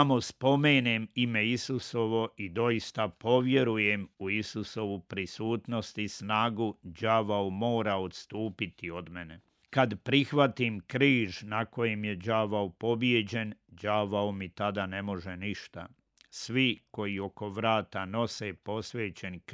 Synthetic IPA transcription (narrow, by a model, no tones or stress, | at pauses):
amo̞spo̞meːnemime̞isuso̞ʋo̞ʔid̪o̞ist̪apo̞ʋje̞ɾujemuisuso̞ʋupɾisuːt̪no̞st̪isnaːɡud͡ʑaʋaomo̞ːɾaot̪st̪uːpit̪io̞d̪mene | kad̪pɾixʋat̪imkɾiːʒnako̞jemje̞d͡ʑaːʋaopo̞bje̞d͡ʑe̞nd͡ʒaʋaomit̪ad̪ane̞mo̞ʒe̞niʃt̪a̰ | sʋiko̞jio̞ko̞ʋɾaːt̪ano̞se̞po̞sʋeːt͡ɕe̞nk